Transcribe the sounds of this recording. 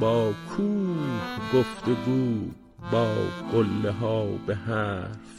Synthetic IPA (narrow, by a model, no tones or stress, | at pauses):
bɑːkʰuːhɡoft̪eɡuː | bɒːɡolːeɦɑːbeɦæɾ